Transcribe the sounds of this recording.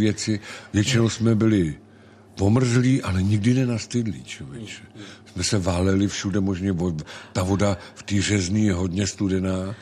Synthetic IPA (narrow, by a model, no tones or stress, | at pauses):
vjɛt͡sɪvjɛt͡ʃɪnowsmɛbɪlɪ | vo̞mr̩zliːʔalɛɲɪɡdɪnɛnast̪ɪdlḭːt͡ʃovɛt͡ʃɛ̥smɛsɛvaːlɛlɪfʃudɛmoʒɲɛvot̪avo̞daft̪iːr̝ɛzniːjɛɦo̞dɲɛst̪udɛnaː